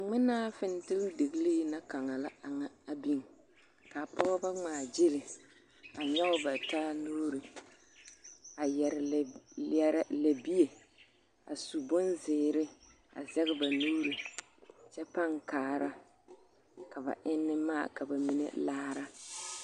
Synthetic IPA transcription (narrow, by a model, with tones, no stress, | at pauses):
ŋ͡mɪ˦naː˦fɪ˨n˦tɪ˦lde˨ɡɨ˦li˦na˦ka˨ŋa˨la˦a˨ŋa˦a˦bi˦ŋ˨ | ka˨pɔ˦ɣba˦ŋ͡maː˨d͡ʒɪ˦lɪ˨ | a˨ɲɛ˦ʊ˦ba˨taː˦nuː˦ɾɨ˨ | a˨jɛ˨ɾɪ˨˦ɛ˦ɾa˦la˨bi˦e˨ | a˨su˨bʊ˦nzɪː˨ɾɪ˦ | a̰˨zɛ˦ɣɪ˦ba˨nuː˦ɾi˨ | t͡ʃɛ˦pa˦ŋkaː˨ɾa˦ | ka˨ba̰˨ʔɪ˦nːɪ˦ma̰ː˦˨ka˨ba˨mi˦nḛ˦laː˦ɾa˦